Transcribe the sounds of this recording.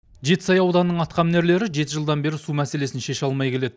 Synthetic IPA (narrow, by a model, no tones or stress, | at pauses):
ʒe̞t̪ɪ̥sɑjɑwd̪ɑnːəɴɑt̪qɑmne̞ɾle̞ɾɪʒe̞t̪ɪʒəlˠd̪ɑnbe̞ɾɪsumæse̞le̞sɪnʃe̞ʃɑlˠmɑjkʲʰe̞le̞d̪ɪ